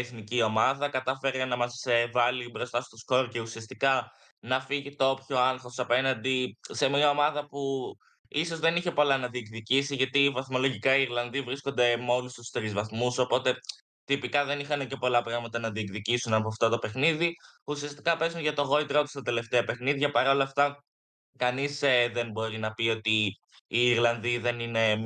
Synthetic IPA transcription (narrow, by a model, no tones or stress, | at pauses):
eθnicio̞mɐðɐkɐt̪ɐfe̞ɾenɐmɐsevɐlibɾo̞st̪ɐst̪o̞sko̞ɾce̞usiɐst̪ikɐ | nɐfiʝit̪oopço̞ɐŋxo̞sɐpe̞nɐnd̪ise̞mɲɐo̞mɐðɐpu | iso̞zðe̞niçe̞po̞lɐnɐðiekðicisiʝɐt̪ivɐθmo̞lo̞ʝikɐiːɾlɐnðivɾisko̞nd̪e̞mo̞lust̪ust̪ɾizvɐθmuso̞po̞t̪e̞ | t̪ipikɐðe̞nixɐnece̞po̞lɐpɾɐɣmɐt̪ɐnɐðiekðicisunɐpoft̪ot̪o̞pe̞xniði | usiɐst̪i̥kɐpe̞zunʝɐt̪o̞ɣo̞it̪eɾot̪u̥st̪ɐt̪e̞le̞ft̪eɐpe̞xniðʝɐpɐɾo̞lɐft̪ɐ | kɐniseðe̞nbo̞ɾinɐpio̞t̪iː | ɾlɐnðiðe̞nine̞